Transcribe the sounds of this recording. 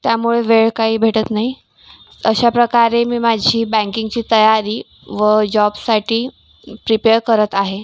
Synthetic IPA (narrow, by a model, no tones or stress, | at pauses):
t̪jamuɭeʋeɭkaɦiːbʱeʈət̪naɦi | əɕapɾəkaɾemiːmad͡ʑʱiːbæ̃ŋkiŋɡt͡ɕiːt̪əjaɾiː | ʋəd͡ʑɔbsaʈʰiː | pɾipeɾkəɾət̪aɦe